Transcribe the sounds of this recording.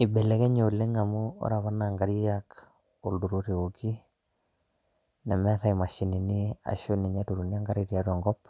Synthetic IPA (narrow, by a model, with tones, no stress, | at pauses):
ɪ˨bɛ˨lɛ˨kɛ˦ɲo˨lːe˦ŋa˨mʊ˦ɔ̰˦ɾa˨βa˦na˨ŋɡa˨ɾi˦jak | o˨ldu˨ɾo˦ɾe˨o˨ki˦ | nɛ˨mɛ˦ɾa˦i˨ma˨ʃɪ˨ni˨ni˦a̰˨ʃo˦ni˨ɲa˦tu˨ɾu˨ni˦a˦ŋɡa˦ɾɪ˦ɾi˨a˦tɛ˨ŋɡɔ˦p̚